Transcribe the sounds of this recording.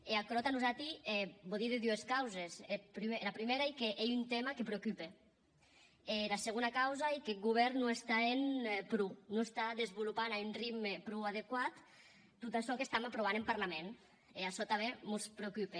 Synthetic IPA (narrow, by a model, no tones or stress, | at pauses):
eakɾɔt̪anuzat̪iɛbɔðiðed̪ueskawzesepɾimelapɾimeɾaikeʔejunt̪emakepɾeokype | elaseɣ̞onakawzaekeɡuβ̞ɛɾnːoest̪aenpɾunoest̪aðezβulupanaynriɡmepɾuað̞ekwat̪ː | ut̪asɔkest̪amapɾoβ̞anempaɾlamen | easɔt̪aβemuspɾeokype